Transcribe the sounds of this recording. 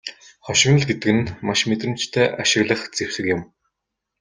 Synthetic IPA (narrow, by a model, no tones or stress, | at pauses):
χɔʃɪ̆ɣnə̆ɮɡet̪ɘ̆kɘ̆nmaʃmet̪rɘ̆mt͡ɕt̪ʰæːʔaʃɪ̆ɣɮə̆χt͡sew̥sɘ̆kjʊ̆m